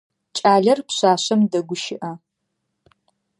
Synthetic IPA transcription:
t͡ʃʼaːɮɐrpɕʷaːɕɐmdɐɡʷʊʃɪʔɐ

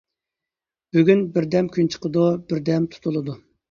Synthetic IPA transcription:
b̥yɡʲynbɪɾd̪ɛmkʲʰynt͡ʃʰə̥qəd̪ubɪɾd̪ɛmt̪ʰu̥t̪ʰulˠɨd̪u

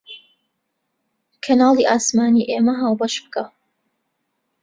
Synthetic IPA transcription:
kʰɐnaːlˠiʔaːsmaːniːʔeːmɐɦaːwbɐʃbɨka

